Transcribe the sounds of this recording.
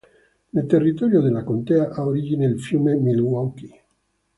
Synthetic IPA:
nelt̪erːit̪ɔɾjod̪elːakont̪ɛaʔaoɾid͡ʒineilfjuːmemilwawki

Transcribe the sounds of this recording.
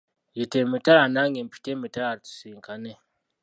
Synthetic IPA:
jitemitaanaŋempʰi̥temitaaɾtu̥siŋkʰane

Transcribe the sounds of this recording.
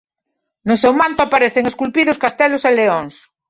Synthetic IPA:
nosewmant̪oapaɾeθeŋeskulpiðoskast̪eloseleoŋs

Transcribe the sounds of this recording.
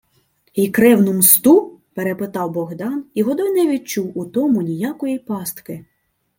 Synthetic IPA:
ikɾɛwnʊmst̪upeɾepɪt̪ɑwbɔɣd̪ɑniʋɔd̪ɔjnɛʋʲid̪̚t͡ʃuwut̪ɔmʊnʲijakɔjipɑst̪kɪ

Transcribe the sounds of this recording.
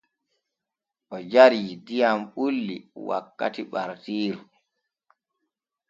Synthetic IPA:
ʔɔd͡ʒaɾiidijamɓulːiwa̰kːa̰tiɓaɾtiːɾu

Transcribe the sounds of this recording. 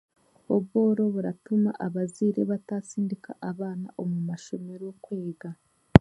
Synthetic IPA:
oβɣo̞ːɾo̞βuɾatuma̰ʔaβaziɾeβataːsiːndika̰ʔaβaːna̰ʔomumaʃo̞me̞ɾokweːɡa

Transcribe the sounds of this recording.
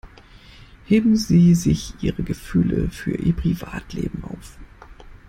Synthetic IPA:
heːbm̩ziːzɪçʔiːʁəɡəfyːləfyːɐʔiːɐpʁ̥ivaːtlḛːbm̩ʔaʊf

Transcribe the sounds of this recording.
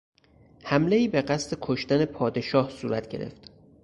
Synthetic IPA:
hæmle̞iːbe̞ɢæst̪e̞kʰoʃt̪æne̞pʰɒːd̪e̞ʃɒːhsuːɾæt̪ʰɟe̞ɾḛft̪

